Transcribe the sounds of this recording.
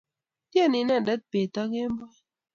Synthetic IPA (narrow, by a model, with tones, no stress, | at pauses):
tja˦˨ni˨˦na˦˨da˦t̚pe˨tɔ˦ke˦m˦bɔ˦